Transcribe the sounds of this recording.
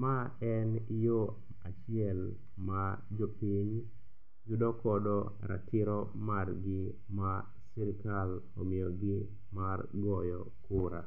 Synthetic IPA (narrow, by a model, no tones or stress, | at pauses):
maɛnjo | at͡ʃɪɛl | ma | d͡ʒɔpiɲ | d͡ʒudɔkɔdɔ | ɾa̰tɪɾɔ | marɡɪ | ma | siɾkal | omɪjɔɡɪ | marɡɔjɔ | kʊɾa